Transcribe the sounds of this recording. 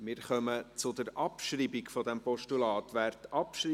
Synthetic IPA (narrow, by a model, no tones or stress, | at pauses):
mɪːɾχœmət͡sʊd̪əɾʔɑpʃriːbikfɔdɛmpɔʃtulɑːtʋæːɾtɑpʃɾi